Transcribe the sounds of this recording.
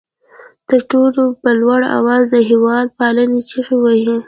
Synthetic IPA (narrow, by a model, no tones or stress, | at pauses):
t̪əɾʈolopəlwaɽa̰wɑzd̪əɦewɑd̪̚pɑlənet͡ʃaxewahi